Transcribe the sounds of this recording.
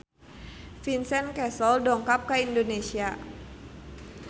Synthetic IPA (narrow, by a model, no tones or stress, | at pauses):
finsɛnkɛsɔldɔŋkap̚kəindonesia